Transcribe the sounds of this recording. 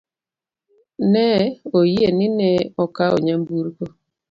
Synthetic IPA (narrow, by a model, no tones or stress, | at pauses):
nɛojenɪnɛɔkaɔ̰ɲambuɾko